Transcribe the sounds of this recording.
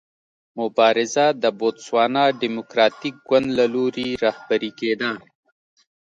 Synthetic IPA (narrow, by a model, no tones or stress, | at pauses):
mʊbɑɾɪzad̪əbot̪swɑːnɑɖimʊkɾɑt̪ik̚ɡwand̪laloɾiɾɑhbaɾiked̪a